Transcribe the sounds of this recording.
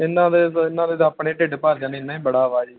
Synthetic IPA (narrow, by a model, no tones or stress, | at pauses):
ɪnãːd̪eːɪnːãːd̪eːt̪ːpɳeːʈeɖpaːɾd͡ʒaːneːnaːĩːbəɽaːʋaːd͡ʒi